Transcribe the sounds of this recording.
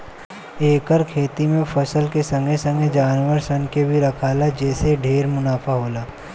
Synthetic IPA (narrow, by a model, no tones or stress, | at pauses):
eːkəɾkʰeːt̪imẽfɐsəlkesɐ̃ŋɡesɐ̃ŋɡed͡ʒaːnʋəɾsɐnkebʱiɾɐkʰaːlad͡ʒɛːseɖʱeːɾmʊnaːfaɦoːlaː